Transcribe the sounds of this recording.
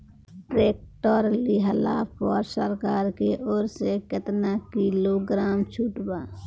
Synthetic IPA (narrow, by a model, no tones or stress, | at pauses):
ʈɾeːk̚ʈoːɾliɦəlaːpɔːɾsəɾkaːɾkeʔoːɾsekɪt̪nakiloɡɾaːmt͡ʃʰuːʈbaː